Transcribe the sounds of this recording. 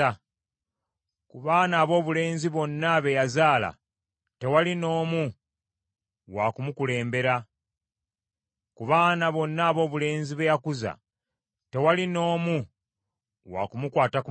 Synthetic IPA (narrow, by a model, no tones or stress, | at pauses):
kuβaːnaːβo̞ːβule̞ːnziβo̞nːaβe̞jazaːla̰ | te̞walino̞ːmu | wakumukule̞ːmbe̞ɾa | kuβaːnaβo̞nːaːβo̞ːβule̞ːnziβejakuza̰ | te̞walino̞ːmu | wa̰kumukwaːtaku